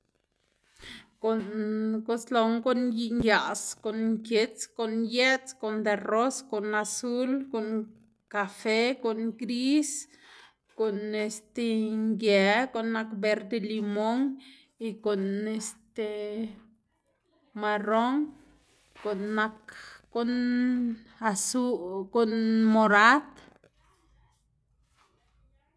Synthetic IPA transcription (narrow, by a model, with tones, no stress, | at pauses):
ko˨nko˦slo˧ŋɡo˦nji˧ŋja˨sko˨nŋkje˧t͡sko˨nje˦t͡sko˨nd̪e˧ro˦sko˨na˧su˦lko˨ŋ | ka˧fe˦ko˨nɡɾi˦s | ko˨ne˧st̪e˧ŋɡja˧ko˨nːakbe˧ɾd̪elimo˦ŋ | iko˨nest̪e | maro˦ŋ | ko˨nːakon | asuko˨nmo˧ɾat̪